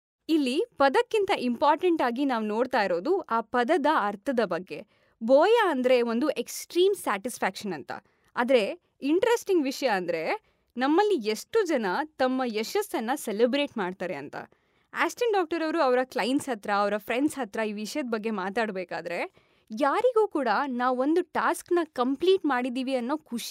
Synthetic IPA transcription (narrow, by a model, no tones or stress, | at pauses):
ilːipɐd̪ɐkːint̪ɐʔimpaːɾʈɐɳʈaːɡinaːʋno̞ːɖt̪aːjiɾo̞ːd̪uaːpɐd̪ɐd̪ɐɐɾt̪ʰɐd̪ɐbɐɡːe̞ | boːjaɐnd̪ɾe̞ʋo̞nd̪uʔe̞ksʈɾiːmsaːʈispʰaːkʂɐnɐnt̪ɐ̰ | aːd̪ɐɾe̞ | iɳʈɐɾesʈiŋɡʋiʂɐjɐːnd̪ɾe̞ | nɐmːɐlːieʂʈud͡ʒɐnɐt̪ɐmːɐjɛʃɐsɐnːɐselibɾe̞ːʈmaːɖt̪aːɾe̞ɐnt̪ɐ̰ | aːsʈeɳɖaːk̚ʈɐɾɐʋɾuɐʋɐɾɐklɐjnsɦɐt̪ɾɐːʋɐɾɐpʰɾeɳɖsɦɐt̪ɾɐiːʋiʂɐjɐd̪̚bɐɡːe̞maːt̪aːɽbeːkaːd̪ɐɾe̞ | jaːɾiɡuːkuːɽɐnaːʋuo̞nd̪uʈaːsknɐkɐmpliːʈmaːɽid̪iːʋiɐnːoːkʰuʂi̥